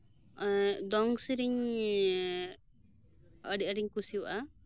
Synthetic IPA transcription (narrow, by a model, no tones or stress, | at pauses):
d̪ɔŋsiɾiɲ | əɖiəɖiɲkusiwa̰ʔa